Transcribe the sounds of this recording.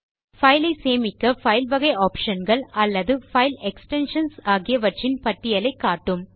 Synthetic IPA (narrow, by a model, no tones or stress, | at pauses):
fɐɪlɐɪseːmɪkːɐfɐɪlʋɐɣɐɪaːpʂɐnɡɐɭɐlːɐðɯfɐɪlɛksʈɛnʂɐnsaːɣɪjɐʋɐʈrɪnpɐʈːɪjɐlɐɪkːaːʈːɯm